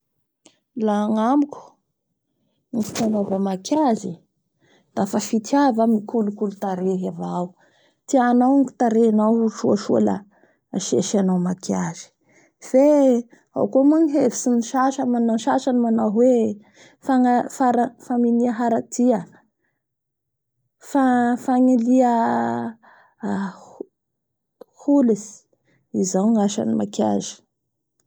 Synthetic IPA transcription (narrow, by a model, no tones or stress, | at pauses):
laŋamukʲu̥ | nifi̥t̪anovəmakʰazi | d̪̥afafit̪ʰiavamikulukulut̪aɾeɦavaw | t̪ianawŋiki̥t̪aɾeanawʃuəʃua̰la̰ | ʃeʃanawmakʰjazi̥ | v̥e | a̰wkuəmuŋɦevisiniʃaʃəmanaʃaʃanimanaɦwe | faŋafaɾafaminiəɦaɾat̪iə | fafaŋiliə | h | hulizi̥ | izawŋaʃa̰nimaka̰zi̥